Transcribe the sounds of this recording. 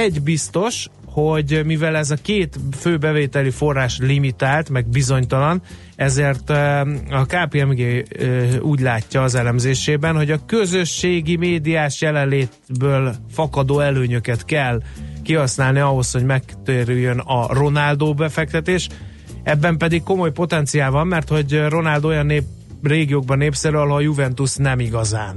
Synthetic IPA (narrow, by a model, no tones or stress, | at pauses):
ɛɟbist̪o̞ʃ | ho̞ɟmivɛlɛzɒkeːt̪føːbɛveːt̪ɛlifo̞rːaːʃtlimit̪aːlt̪mɛɡbizo̞ɲt̪ɒlɒn | ɛzeːrt̪ɒkaːpiɛmɡeː | uːɟlaːcːɒːzɛlɛmzeːʃeːbɛnho̞ɟɒkø̞zø̞ʃːeːɡimeːd̪ijaːʃjɛlɛnleːt̪bøːlfɒkɒd̪oːɛløːɲøkɛt̪kɛlkiɦɒsnaːlniɒɦo̞sho̞ɟmɛkt̪eɾyjːønɒro̞nald̪oːbɛfɛk̚t̪ɛt̪eːʃ | ɛbːɛmpɛd̪ikkːo̞mo̞jpo̞t̪ɛnt̪sijaːlvɒmːɛrt̪ho̞ɟro̞nald̪ojɒnːeːp | reːɡijoːɡ̚bɒnːeːpsɛɾyɒloɒjuvɛnt̪usnɛmiɡɒzaːn